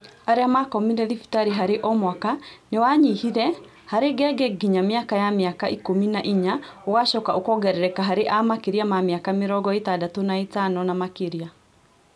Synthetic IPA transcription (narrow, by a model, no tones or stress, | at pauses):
aɾeamakɔmineðifi̥taɾiɦaɾeʔɔmwakanewaɲihiɾɛ | haɾeɡɛɡɛɡiɲamiakajamjakaʔikominaʔiɲawaʃɔkaokɔɡɛɾɛɾɛkaɦaɾeʔamakeɾiamamjakameɾɔɡɔetadatonaitanɔnamakeɾia